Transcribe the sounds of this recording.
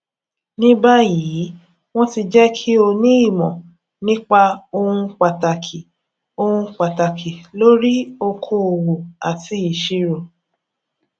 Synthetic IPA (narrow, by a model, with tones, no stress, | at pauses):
nĩ˦ba˦ji˨˦ | w̃ɔ̃˦ti˧d͡ʒɛ˦kʰi˦o˧nĩ˦i˦˨mɔ̃˨ | nĩ˦k͡pa˧o˧ũ˧k͡pa˨ta˨kʰi˨ | o˧ũ˧k͡pa˨ta˨kʰi˨lo˦ɾi˦o˧kʰo˧o˨wo˨a˨ti˨˦i˨ʃi˦ɾo˨